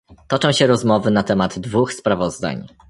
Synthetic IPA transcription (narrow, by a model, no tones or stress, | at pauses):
t̪ɔt͡ʂɔ̃w̃ɕɛɾɔzmɔvɘnat̪ɛmad̪ːvuxspɾavɔzd̪a̰ɲ